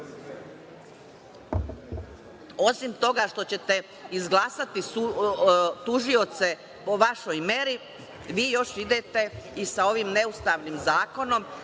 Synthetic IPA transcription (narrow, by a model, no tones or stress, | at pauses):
o̞simt̪o̞ɡaʃt̪o̞t͡ɕe̞t̪e̞ | izɡlˠaːsat̪iu | t̪uʒio̞t̪se̞ | po̞ʋaʃo̞jme̞ɾi | ʋiːjo̞ʃid̪et̪e̞isao̞ʋimne̞ust̪aʋnimzaːko̞no̞m